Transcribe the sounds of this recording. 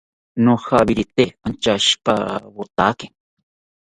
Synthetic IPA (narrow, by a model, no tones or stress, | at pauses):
nohabiɾit̪eant͡ʃaʃpa̰bot̪a̰kɪ̥